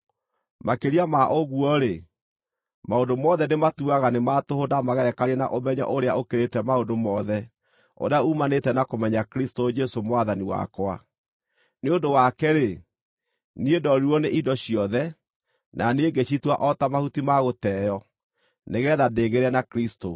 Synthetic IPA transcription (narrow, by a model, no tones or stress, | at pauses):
makeɾiamaʔoɣuɔɾe | maondomɔðɛnematuaɣanematohodamaɣɛɾɛkaɾɛna̰ʔomɛɲa̰ʔoɾea̰ʔokeɾetɛmaondomɔðɛ | o̰ɾeaumanetɛnakomɛɲakɾistod͡ʒɛsomwaðaniwa̰kwa | neondowakɛɾe | niedɔɾiɔneʔindɔɕijɔðɛ | nʔaneɡeɕitwaʔɔtamahutimaɣotɛːjɔ | neɣɛðadeːɣeɾɛnakɾisto